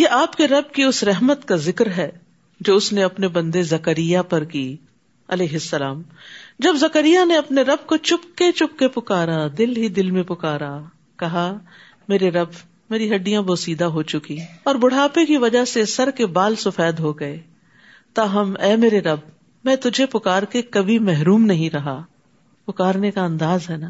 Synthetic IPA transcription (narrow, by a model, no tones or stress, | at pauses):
jeːʔaːpkeɾɐb̚kiʊsɾɛɦmət̪kazɪkɾɦɛː | d͡ʒoːʊsneɐpnebɐ̃nd̪ezɐkəɾijapɐɾkiː | ɐleːɦɪsːɐlaːm | d͡ʒɐbzɐkəɾijaneɐpneɾɐb̚kot͡ʃʊp̚ket͡ʃʊpkepʊkaːɾad̪ɪlɦid̪ɪlmẽpʊkaːɾa | kɐɦa | meːɾeɾɐb | meːɾiɦɐɖːijãboːsiːd̪aɦot͡ʃʊkiɔːɾbʊɽ̤aːpekiʋɐd͡ʒasesɐɾkebaːlsʊfɛːd̪ɦoɡɐe | t̪aɦɐmɛːmeːɾeɾɐb̚ | mɛ̃ːt̪ʊd͡ʒʱepʊkaːɾkekɐbʱimɛɦɾuːmnɐɦĩɾɐɦa | pʊkaːɾnekaɐ̃nd̪aːzɦɛːnaː